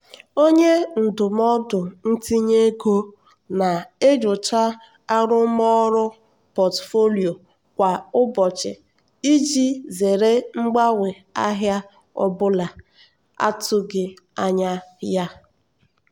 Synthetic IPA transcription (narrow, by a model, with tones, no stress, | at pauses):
o˦ɲe˦n̩˨dʊ˨m˦ɔ˦dʊ˨n̩˦ti˦ɲe˦ɡo˦ | na˨e˦d͡ʒʊ˨t͡ʃa˦ | a˦ɾʊ˦mɔ˦ɾʊ˦ | pɔ˨tfo˦li˨o˨ | kʷa˨ʊ˦bɔ˨t͡ʃɪ̰˨ | i˦d͡ʒi˦ze˨ɾe˦ŋ͡m̩˦ɡ͡ba˦we˨ | a˦ɦja˦ | ɔ̰˦bʊ˦la˨ | a̰˦tʊ˦ɡɪ˨ | a˦ɲa˦ja˦